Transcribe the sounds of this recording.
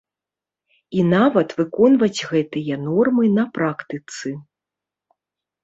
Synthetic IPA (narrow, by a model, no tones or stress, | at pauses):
inavɐt̪vɨkɔnvɐd͡zʲɣɛt̪ɨjɐnɔrmɨnɐpɾakt̪ɨt̪sɨ